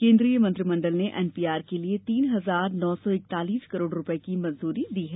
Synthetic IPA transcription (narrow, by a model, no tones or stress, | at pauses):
kẽːnd̪ɾijəmɐ̃nt̪ɾimɐ̃ɳɖəlneʔɛːnpiːaːɾkeliet̪iːnɦɐzaːɾnɔːsɔɪk̚t̪aːliːskɐɾoːɖɾʊpəekimɐ̃nzuːɾid̪iːɦɛː